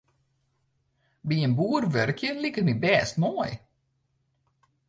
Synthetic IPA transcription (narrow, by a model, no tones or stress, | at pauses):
biənbuərʋørkjənlikənibɛːstnoj